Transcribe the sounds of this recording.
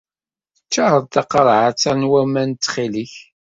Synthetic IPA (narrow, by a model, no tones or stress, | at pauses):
ət͡ʃːaɾˤəðt̪ɑqɑɾˤʕat͡sːænwæmænt̪ːχiliç